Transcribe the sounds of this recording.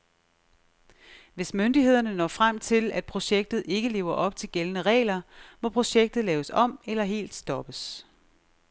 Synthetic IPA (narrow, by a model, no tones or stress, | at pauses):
ʋe̝smønd̥ihe̝ð̞̰ˠɐnənɒ̰ːfʁam̰t͡sʰe̝læd̥̚pʰʁo̝ɕeɡ̥̚d̥ð̩ˠe̝ɡ̥əle̝̰ːʊɐʔɒ̽b̥t͡sʰe̝lɡ̥elənəʁɛ̰ːlɐmɒ̽pʰʁo̝ɕeɡ̥̚d̥ð̩ˠlɛːʊəsɒ̽m̰elɐɦe̝̰ːld̥sd̥ɒ̽b̥əs